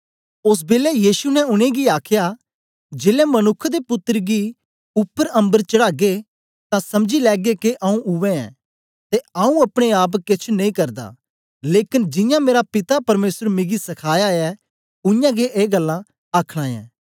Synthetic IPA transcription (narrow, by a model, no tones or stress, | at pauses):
ʊs̬beːlɛjiːsunɛʊɽ̃ẽɡiaːkʰja | d͡ʒeːlɛmɐnʊkʰːd̪epʊt̪ːəɾɡi | ʊpːəɾɐ̃mbəɾt͡ʃɐɽaːɡe | t̪ãsɐmd͡ʒilɛːɡekeʔaũʊʋɛ̃ɛ̰̃ː | t̪eaːũɐpɽ̃eaːp̬kɪt͡ʃʰnɐ̃ĩkɐɾd̪a̰ | leːkɪnd͡ʒɪjãmeːɾapɪt̪apɐɾmeːsəɾmɪɡisɐkʰaːjaɛ | ʊjãɡeʔeːɡəlːã | aːkʰɽ̃ãːjɛ̰̃ː